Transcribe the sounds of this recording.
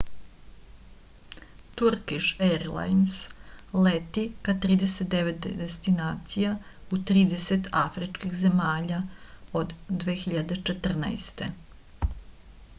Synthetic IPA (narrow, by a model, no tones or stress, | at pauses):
t̪uɾkiʃeɾla̰jnslet̪ikat̪ɾiːd̪eset̪̚d̪eʋet̪̚d̪d̪est̪inaːt̪sijaut̪ɾiːd̪eset̪ʰafɾit͡ʃkixzemaːʎaod̪ːʋe̞ːxiʎad̪e̞t͡ʃet̪r̩na̰jst̪e̞